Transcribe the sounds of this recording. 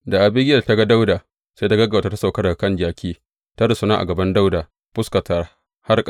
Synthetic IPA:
da˨ʔa˨bɪ˦ɡʲɪ˦ɐ˨ta˦ɡa˦da˦wdaː˨ | se˦ta˦ɡɐ˦ɡa˨ta˨ta˦sa˨kɐ˦ɽɐ˨kɐ˦nd͡ʒaː˨kʲʰiː˦ | ta˦ɽa˨sʊ˦naː˦ʔa̰˨ɡɐ˨bɐ˦nda˦wda˨ | pʊ˦ska˨ta˦ | ha˦rkʼ

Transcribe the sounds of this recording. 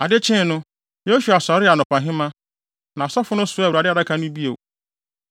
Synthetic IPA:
a˨dɪ˦t͡ɕʰɪ̃˦˨nʊ̃˦ | je˦su˨a˨sɔ˨˦ɾɪ˦a˨nʊ̃˨pã˨ɦɪ̃˦mã˦ | nã˨sɔ˦fʊ˦nʊ̃˦sʊ˦a˨u˨ɾa˨dɪ˦a˨ɾa˦kʰa˨˦nʊ̃˦bi˦o˨

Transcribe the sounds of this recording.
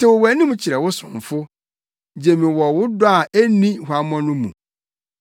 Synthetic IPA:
tʰɪ˦˨wʊ˨wæ˨nĩ˦mũ˦t͡ɕʰi˨ɾɛ˨wʊ˦sʊ̰̃˨ɱ˨fʊ˦ | d͡ʑɛ˨mĩ˨wɔ˨wʊ˦dʊ˦a˨æ˦nĩ˦hʊ˨a˨m˦ɔ̃˦nʊ̃˦mũ˨

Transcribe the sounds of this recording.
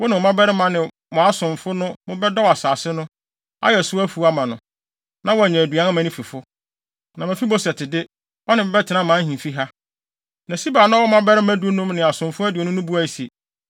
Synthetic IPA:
wɔ˦nɪ̃˨ɔ˨mã˦bɛ˦ɾɪ˦mã˦nɪ̃˨ | mʊ̃˨a˦sʊ̃˨ɱfʊ˦nʊ̃˦mʊ̃˦bɛ˦dɔ˦wa˨saː˨sɪ˦nʊ̃˦ | a̰˦jɛ˨sʊ˦æ˦fu˨˦a˦mã˨nʊ̃˨ | nã˦wɔ˦æ˨ɲɛ̃˨æ˨du˨ã˨˦ã˦mæ̃˨˦nĩ˦fi˨fʊ˦ | nã˨mɪ̃˨fi˦bɔ˦sɛ˨tʰɪ˨dɪ˦ | wʔɔ˦nɪ̃˨mɪ̃˦bɛ˦tʰɪ˨nã˦mã˨˦hĩ˨fi˦ɦa˦ | nã˨si˦baː˨nã˦wɔ˦mã˦bɛ˦ɾɪ˦mæ̃˦du˨˦o˦nʊ̃˦mnɪ̃˨a˨sʊ̃˨mfʊ˦æ˦dɪ˨o˨nʊ̃˦nʊ̃˦bu˦a˦i˨˦si˨e˨

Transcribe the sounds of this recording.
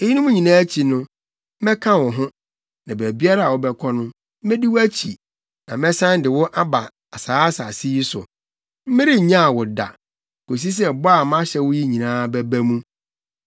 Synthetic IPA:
e˦ji˦nʊ̃˦mũ˦ɲĩ˨nãː˦t͡ɕʰi˨nʊ̃˦ | mɛ̃˦kʰã˦wɔ˨ɦʊ̃˦ | nã˨bæ˨bi˦a˦ɾa˦a˨wɔ˦bɛ˦kʰɔ˦nʊ̃˦ | mɪ̃˦dɪ˦wæ˦t͡ɕʰḭ˨ | nã˨mɛ̃˦sã˦n˦dɪ˨wʊ˦ʔa˦ba˨ | a˨saː˨˦sa˨si˦i˦sʊ̰˨ | m̩˦mɪ̃˦ɾɪ˦ɲã˦a˨wʊ˨da̰˨ | kʰo˨s̬i˦s̬ɛ˦˨bɔ˦a˨m˦ã˦ɕɛ˦wʊ˦ji˦ɲĩ˨nãː˦bɛ˦bæ˦mũ˦

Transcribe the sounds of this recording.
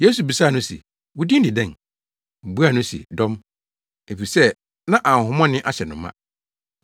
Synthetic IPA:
je˦su˨bi˨saː˦˨nʊ̃˦sḭ˨ | wʊ˦dĩ˦n˦dɪ˨dɛ̃˦˨n̩˨ | bu˦a˦˨nʊ̃˦sḭ˨dɔ̃˦m | e˨fi˨sɛ˦ | nã˦ʔã˨ɦʊ̃˨mɔ̃˦nɪ̃˦ʔa˦ɕɛ˨nʊ̃˨mːã̰˦

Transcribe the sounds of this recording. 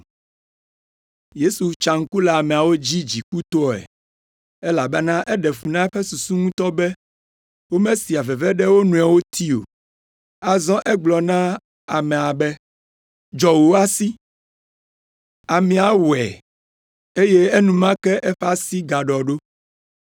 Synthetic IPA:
je˦su˨t͡ʃa˨ŋ̩˦ku˦la˨a˨mɛ̃˨a˨wo˦d͡ʑi˦d͡ʑi˨ku˦t̪ɔ˦˨ɛ̰˨ | ɛ˦la˨bɛ˦nã˦ʔɛ˦ɖɛ˨ɸu˨nã˦ɛ˦ɸɛ˦su˨su˦ŋũ˦t̪ɔ˦bɛ˦ | wo˦mẽ˦si˨a˨vɛ˨vɛ˦ɖɛ˦wo˦nũ˨a˨wo˦t̪ʰi˦o̰˨ | a˨zɔ̃˦ʔɛ˦ɡ͡blɔ˨nã˦ | a˨mɛ̃˨a˨bɛ˦ | d͡ʒɔ˨wo˨˦a˦si˦ | a˨mĩ˨˦a˦wɛ˨ | e˦je˦e˦nũ˨mã˦kɛ˦ʔɛ˦ɸa˦si˦ɡa˨ɖɔ˨ɖo˦

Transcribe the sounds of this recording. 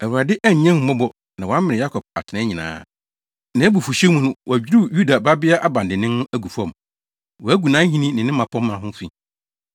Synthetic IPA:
ɛ˨wɾa˨dɪ˦ʔæ˦ɲ˨ɲɛ̃˦m̩˨mɔ̃˦bɔ˨ | nã˨wã˦mɪ̃˨ɪ̃˨ja˦kʰɔ˨b̚a˨tʰɪ˨nɪ̃˦ɲĩ˨nã̰ː˦ | nã˨˦bu˨fu˨ɕɛ˦mũ˦nʊ̃˦wæ˨d͡ʑᶣi˦ɾu˦˨ju˦da˨ba˦bɪ˦a˦ʔa˨bã˨ndɪ˨nɪ̃˦n˦æ˦ɡu˨fɔ̃˦˨m˨ | wɔ˨æ˦ɡu˨nãː˦ɲĩ˦nĩ˦nɪ̃˨nɪ̃˦mã˨pʰɔ̃˦mː˦ã˨ɦʊ̃˦fi˨

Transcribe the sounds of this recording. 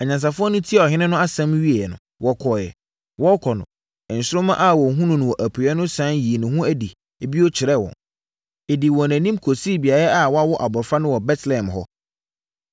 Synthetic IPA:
a˨ɲã˨ns̬a˨fʊ˦ɔ˦nʊ̃˦tʰi˦a˨ɔ˨ɦɪ̃˦nɪ̃˦nʊ̃˦a˦sã˦mɥi˦e˨jɛ˨nʊ̰̃˨ | wɔ˨kʰɔ˨jɛ̰˨ | wɔ˦kʰɔ˨nʊ̰̃˨ | n̩˨sɪ˦ɾʊ̃˦mã̰˦ʔa˦˨wɔ˨ɦũ˦nʊ̃˨nʊ̃˨wɔ˨ʔæ˨pʰu˨ɛ˦nʊ̃˦sã˨˦nji˨e˨nʊ̃˨hũ˦æ˦di˨ | e˨bi˦ɔ˦t͡ɕʰɪ˨ɾɛ˦wɔ̰̃˨n | e˨di˨wɔ̃˨næ̃˨nĩ˦mkʰo˨siː˦bi˨a˨ɾa˦a˨wɔ˦a˦wɔ˦ʔa˨bɔ˨fa˦nʊ̃˦wɔ˨bɛ˦tlɛ˨ɛ˨mɦɔ˦

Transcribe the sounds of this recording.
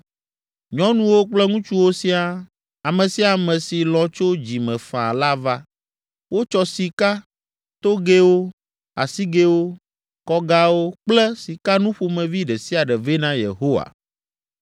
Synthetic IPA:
ɲɔ̃˦nũ˦wo˦k͡plɛ˦ŋũ˦t͡ʃu˦wo˦si˦a˦˨ | a˨mɛ̃˨si˦a˨mɛ̃˨si˨lɔ̃˨t͡ʃo˦d͡ʑi˨mɛ̃˨fã̰˨la˦va˦ | wo˦t͡ʃɔ˨si˨ka˦ | t̪o˦ɡe˦wo˦ | a̰˨si˦ɡe˦wo˦ | kɔ˦ɡa˦wo˦k͡plɛ˦si˨ka˦nũ˦ɸo˦mɛ̃˨vi˦ɖɛ˨si˦a˨ɖɛ˨vɛ˦nã˦jḛ˨ɦo˦wa̰˨

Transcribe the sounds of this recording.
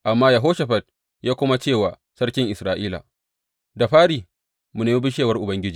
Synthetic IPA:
ʔa˨mːaː˦ja˨ɦoː˦ʃa˨ɸɐ˨t̚ | jaː˦kʷʊ˦ma˦t͡ʃeː˦˨waː˨ | sɐ˦rkʲɪ˦ŋʔɪ˨sɾaː˦ʔiː˦la̰ː˨ | da˨ɸaː˦ɽiː˨ | mu˨neː˦mi˦bɪ˦ʃeː˦wɐ˦rʔʊ˨bɐ˦ŋɡʲɪ˦d͡ʒiː˨

